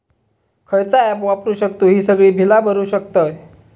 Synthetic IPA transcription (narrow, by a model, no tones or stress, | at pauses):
kʰəjt͡saɛpʋapɾuːɕəkt̪uːɦiːsəɡɭiːbʱilabəɾuːɕəkt̪əj